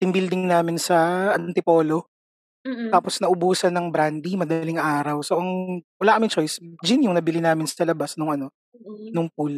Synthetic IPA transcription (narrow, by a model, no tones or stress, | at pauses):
t̪ɪnbild̪ɪŋŋnaːmɪnsɐʔɐnt̪ɪpo̞ːlo̞ | t̪aːposnɐʔʊbuːsɐnɐŋbɾand̪imɐd̪ɐlɪŋʔaːɾɐwso̞ʔɐŋwɐlaːkɐmɪŋt͡ʃo̞jsd͡ʒɪnjʊŋnɐbɪlɪnaːmɪnsɐlɐbasnʊŋʔɐno̞ | nʊŋp̚ul